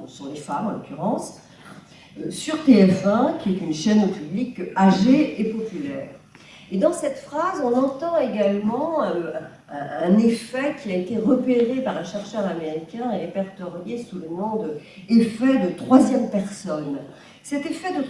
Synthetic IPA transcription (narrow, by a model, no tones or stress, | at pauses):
sɔ̃lefamɑ̃lɔ̰kʲyʁɑ̃s | øsyʁt̪eɛfɛ̃kʲiɛt̪ynʃɛnopyblikaʒeepɔpylɛ̰ːʁ | ed̪ɑ̃sɛt̪fχazɔ̃nɑ̃t̪ɑ̃eɡalmɑ̃ | ɛ̃nefɛkʰʲiaet̪eʁəpeʁepaʁɛ̃ʃɛʁʃœʁameʁikʲɛ̃eʁepɛʁt̪ɔʁjesulənɔ̃d̪ə | efɛd̪ət̪χwazjɛmpɛʁsɔn | sɛt̪efɛd̪ə